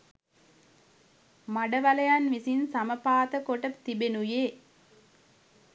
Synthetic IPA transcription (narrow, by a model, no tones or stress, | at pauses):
maɖəʋaləjanʋisinsaməpaːt̪əkoʈəp̚t̪ibenujeː